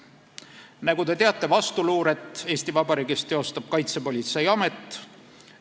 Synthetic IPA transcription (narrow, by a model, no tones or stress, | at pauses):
næɡut̪e̞t̪eɑt̪ːˑe̞vɑst̪uluːɾe̞t̪ːˑe̞ːst̪ivɑbɑɾiːɡist̪ːe̞o̞st̪ɑb̥̚kɑjt̪se̞po̞lʲit̪se̞jɑme̞t̪ːˑ